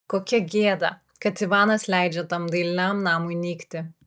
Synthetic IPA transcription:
koːkʲɛɡʲeːd̪ɐ̰ | kɐt̪iʋɑːnɐslʲæˑɪd͡ʒʲɛt̪ɐmd̪ɐɪlʲɪnʲamnɑːmʊɪnʲiːkt̪ʲɪ

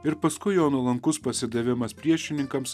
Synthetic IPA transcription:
ɪɾpɐskʊɪjoːnuːlˠɐŋkʊspɐsʲɪd̪ɐʋʲɪmɐspʲɾʲiɛʃʲɪnʲɪŋkɐms

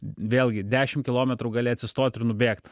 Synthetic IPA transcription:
ʋʲeːlʲɡʲɪd̪ʲæːʃʲɪmkʲɪlˠoːmʲɛt̪ɾuːɡɑlʲɪɐt̪sʲɪst̪oːt̪ʲɪɾnʊbʲeːkt̪

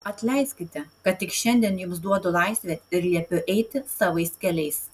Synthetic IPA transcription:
ɐt̪ʲlʲɛɪsʲkʲɪt̪ʲɛkɐt̪ʲtʲɪkʃʲɛnʲd̪ʲiɛnjʊmsd̪uɔt̪ʊlˠɑˑɪsʲʋʲɛt̪ʲɪɾlʲiɛpʲʊʔɛɪt̪ʲɪsɑːʋɐɪskʲɛlʲɛɪs

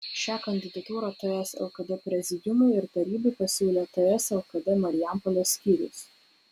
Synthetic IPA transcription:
ʃʲæːkɐnʲd̪ʲɪd̪ɐt̪uːɾɐt̪ɐɛsɛ̰lˠkɐd̪ʲɛpʲɾʲɛzʲɪd̪ʲʊmʊɪɪɾt̪ɐɾʲiːbɐɪpɐsʲuːlʲeːt̪ɐɛsɛlˠkɐd̪ʲɛmɐɾʲɪjæˑmpɔlʲosʲkʲiːɾʲɪ̰s

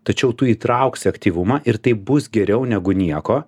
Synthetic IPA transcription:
t̪ɐt͡ʃʲɛʊt̪ʊiːt̪ɾɐʊksʲɐkt̪ʲiːʋʊmɐʔɪɾt̪ɐɪp̚bʊsɡʲɛɾʲɛʊnʲɛɡʊnʲiɛkoː

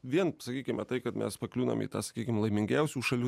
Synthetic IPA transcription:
ʋʲiɛnsɐkʲiːkʲɪmɐt̪ɐɪkɐt̪mʲɛ̰spɐklʲuːnɐ̰mḭːt̪ɑːsɐ̥kʲiːkʲɪmlˠɐɪmʲɪŋʲɡʲɛʊsʲuːʃɐlʲu

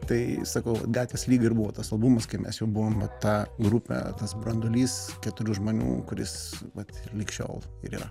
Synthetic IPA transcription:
t̪ɐɪsɐkɐʊʋɐ̰t̪ɡɑːt̪ʲʋʲeslʲiːɡɐɪɾbuʋoːt̪ɐsɐlˠbumɐskɐɪmʲɛ̰sjɛʊbuʋoːmʋɐt̪tɑːɡɾʊpʲɛ̰t̪ɐsbɾɐnd̪ʊlʲiːskʲæt̪ʊɾʲuːʒmoːnʲṵːkʊɾʲɪ̰sʋɐt̪ɪrlʲiːkʃʲo̰ːlˠ | ɪɾiːɾɐ

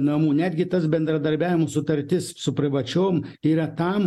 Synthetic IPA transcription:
nɐmuːnʲæːd̪ʲɡʲɪt̪ɐsbʲɛnd̪ɾɐd̪ɐɾʲbʲæːʋʲɪmosʊt̪ɐɾʲt̪ʲɪssʊpʲɾʲɪʋɐt͡ʃʲoːmiːɾɐt̪ɐm

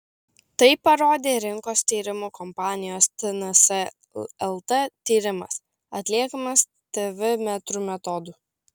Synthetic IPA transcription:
t̪ɐɪpːɐɾoːd̪ʲeːɾʲɪŋkoːst̪ʲiːɾʲɪmuːkɔmpɑːnʲɪjoːst̪ʲɛnɐsɛ | ɛlˠt̪ɐt̪ʲiːɾʲɪmɐs | ɐt̪ʲlʲiɛkɐmɐs | t̪ʲɛʋʲɪmʲɛt̪ɾuːmʲɛt̪ɔd̪uː

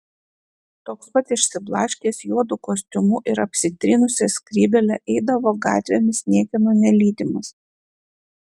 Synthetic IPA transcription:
t̪oːkspɐt̪ɪʃʲsʲɪblˠɑːʃʲkʲiːsjuɔd̪ʊkoːsʲt̪ʲʊmuʔɪɾɐpʲsʲɪt̪ʲɾʲɪnʊsʲɛsʲkɾʲiːbʲɛlʲɛʔɛɪd̪ɐʋoːɡɑ̰ːt̪ʲʋʲɛmʲɪsnʲiɛkʲɛnonʲɛlʲiːd̪ʲɪmɐs

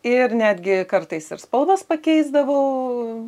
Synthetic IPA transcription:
ɪrnʲæːd̪ʲɡʲɪkɐɾt̪ɐɪsɪ̰ɾspɐlˠʋɐspɐkʲɛɪzd̪ɐʋɐʊ

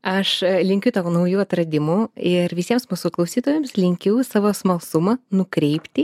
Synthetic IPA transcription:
ɐʃlʲɪŋʲkʲʊt̪ɐnɐʊjuːɐt̪ɾɐd̪ʲɪmʊɪɾʋʲɪsʲiɛmsmuːsʊklˠɐʊsʲiːt̪oːʋʲemslʲɪŋʲkʲɛʊsɑːʋoːsmɐlˠsʊmɐnʊkɾʲɛɪpʲt̪ʲɪ

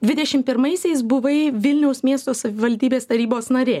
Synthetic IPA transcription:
d̪ʲʋʲɪd̪ʲɛʃʲɪmpʲɪɾmɐɪsʲɛɪs̬bʊʋɐɪʋʲɪlʲnʲɛʊsmʲiɛst̪oːsɐʋʲɪʋɐlʲd̪ʲiːbʲeːst̪ɐɾʲiːboːsnɐɾʲeː

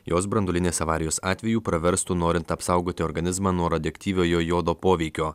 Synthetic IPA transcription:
joːsbɾɐnd̪olʲɪnʲeːsɐʋɑːɾʲɪjoːsɑːt̪ʲʋʲɛjuːpɾɐʋʲɛɾst̪uːnoːɾʲɪnt̪ɐpsɐˑʊɡoːt̪ʲɪɔɾɡɐnʲɪzmɑːnuɔɾɐd̪ʲɛkt̪ʲiːʋʲoːjoːjoːd̪oːpoːʋʲɛɪkʲoː

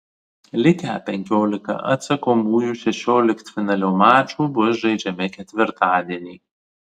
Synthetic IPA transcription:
lʲɪkʲæːpʲɛŋʲkʲoːlʲɪkɐ̰ʔɐ̰t̪sɐkoːmuːjuʃʲɛʃʲoːlʲɪkt̪ʲfʲɪnɐlʲoːmaːt͡ʃuːbʊsʒɐɪd͡ʒʲɛmʲɪkʲɛt̪ʲʋʲɪɾt̪ɑːd̪ʲiɛnʲiː

